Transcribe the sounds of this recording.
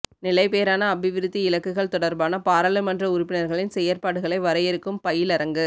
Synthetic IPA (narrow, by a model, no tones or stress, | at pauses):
nɪlɐɪpeːɾaːnɐːbɪʋɪɾɯt̪ːiɪlɐkːɯɣɐɭt̪ɔɽɐɾbaːnɐpaːɾɐlɯmɐndrɐʊɾʊpːɪnɐɾɣɐɭɪnsɛjːɐɾpaːɽɯɣɐɭɐɪʋɐɾɐjɪɾɯkːɯmpɐjɪlɐɾɐŋɡɯ